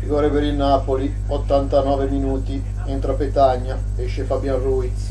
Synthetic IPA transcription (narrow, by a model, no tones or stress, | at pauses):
ɾiɡɔːɾepeɾinːaːpoli | ot̪ːant̪anɔːveminuːt̪i | int̪ɾapet̪aɲːa | eʃefabjanruːi